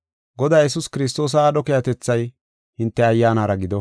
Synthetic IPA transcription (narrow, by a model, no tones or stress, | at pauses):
ɡɔd̪aːjɛsʊskɪɾɪst̪o̞ːs̬ɐːɗɔkɛjɐt̪ɛt͡sːɐj | hɪnt̪ːɛɐjːaːnaːɾɐɡɪd̪ɔ